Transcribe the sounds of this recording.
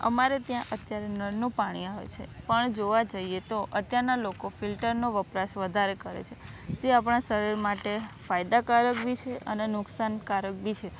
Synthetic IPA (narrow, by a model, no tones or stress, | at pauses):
ə̰maɾet̪jãʔət̪jaɾenəɾnũpaɽ̃iaʋḛt͡ʃʰepəɳd͡ʒoʋad͡ʒaiet̪oʔət̪jaɾnalokofilʈəɾnoʋəpɾaʃʋəd̪ʱaɾekəɾḛt͡ʃʰed͡ʒ̪eapɳ̃asəɾiɾmaʈefajd̪akaɾəkbʱit͡ʃʰeʔə̰nenʊksankaɾək̚bʱit͡ʃʰe